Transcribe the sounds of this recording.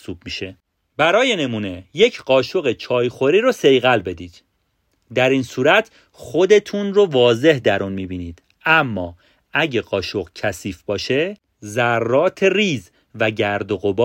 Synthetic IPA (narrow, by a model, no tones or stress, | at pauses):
sub̚miʃe | bæɾɒːjene̞muːne̞jecʰɢɒːʃo̞ɣet͡ʃʰɒːjxo̞ɾiːɾose̞jɣælbe̞d̪iːd̪̥ | d̪æɾiːnsuːɾæt̪ʰ | xo̞d̪e̞t̪ʰunrovɒːze̞hd̪æɾunmibiːniːd̪̥ | æmːɒː | æɟeɢɒːʃo̞ɢcʰæsiːfbɒːʃe̞ | zærːɒːt̪ʰeriːz | væɟæɾd̪o̞ɣo̞bː